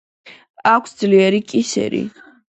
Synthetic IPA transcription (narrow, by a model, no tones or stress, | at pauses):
akʰsd̪zliɛɾikʼisɛ̰ɾḭ